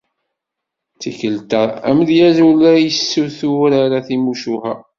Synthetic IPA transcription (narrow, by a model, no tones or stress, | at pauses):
t͡sːiçəlt̪ææ̰məðjæzulæjəsːuθuɾaɾaθimuʃuhæ̰